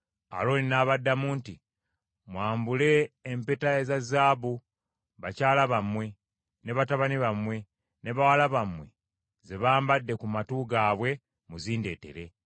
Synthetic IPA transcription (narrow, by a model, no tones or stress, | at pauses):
a̰loːlinaːβadːamuːnti | mwaːmbule̞ːmpetaezazaːβu | βacaːlaβamwe̞ | ne̞βataβaniβamwe̞ | ne̞βawalaβamwe̞̰ | ze̞βaːmbadːe̞kumatuɡaːβwe̞ | muziːnde̞ːte̞̰ɾe̞